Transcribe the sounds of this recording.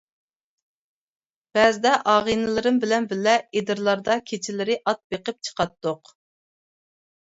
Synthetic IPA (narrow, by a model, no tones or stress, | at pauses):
b̥ɛzɪd̪ɛʔɑːʁinɨlˠɨɾɨmbɪlɛnbɪlːɛed̪ɨɾlˠɑɾd̪ɑkʲʰet͡ʃʰɪlɪɾɪʔɑt̪̚beqəp̚t͡ʃʰə̥qɑt̪ːʊq